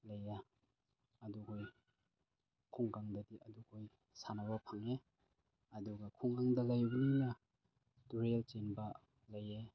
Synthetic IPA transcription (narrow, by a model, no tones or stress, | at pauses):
lɐja | ɐdukʰoj | kʰuŋɡaŋdɐdiɐdukʰoj | sanaβɐpʰaŋe | ɐduɡɐkʰuŋɡaŋdɐlajbɐninɐ | tuɾelt͡ʃenbɐ | laje